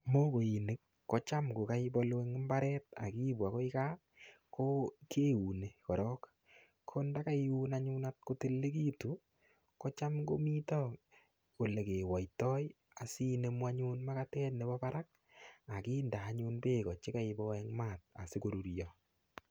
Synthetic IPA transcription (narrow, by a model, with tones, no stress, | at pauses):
mo˦ko˨i˨ne˦kːɔ˦t͡ʃa˦mko˨ka˦i˦bɔ˦lwe˦ŋɪ˦mba˦ɾɛ˦t̚a̰˨ki˦bwa˨ko˦ɪ˦ka˦ | kʰo˦ke˦u˨ne˨kɔ˨ɾɔ˦k | kʰo˦nda˦ka˦i˦u˦na˦ɲu˦na˦t̚ko˦te˦lːe˦ki˦tu˨ | kɔ˦t͡ʃa˦mko˦mi˦tɔ˦k | o˨le˨ke˨wɔ˨jtɔ˦j | a˨si˦ne˨˦mwa˦ɲu˦nma˦ka˦tɛ˦tne˨bɔ˦pa˦ɾa˦k̚ | a˨ki˦nda˨ɲu˦npeː˦kɔ˨t͡ʃe˦ka˦ɪ˨bɔ˦ɛ˦ŋma˦˨t̚a̰˨se˦ko˨ɾu˨ɾjɔ